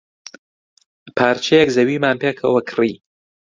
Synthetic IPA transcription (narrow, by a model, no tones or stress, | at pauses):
pʰaːɾt͡ʃʰejɛkzɐwiːmaːnpeːkʰɐ̰wɐkʰriː